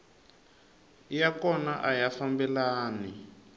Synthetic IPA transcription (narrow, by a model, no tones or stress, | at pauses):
jakɔnaʔajafambɛlaːni